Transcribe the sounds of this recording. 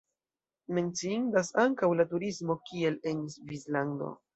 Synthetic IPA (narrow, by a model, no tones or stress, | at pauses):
me̞nt͡siindasaŋkawlatuɾismo̞kie̞le̞nisvislando̰